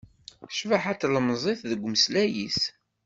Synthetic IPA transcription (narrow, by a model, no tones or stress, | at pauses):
ʃvaħat͡sːlmzˤeθðəɡʷːməslæjis